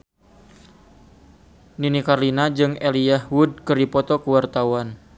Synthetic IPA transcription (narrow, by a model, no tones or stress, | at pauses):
ninikarlinad͡ʒɨŋeliahwud̚kəripɔt̪ɔkəwart̪awan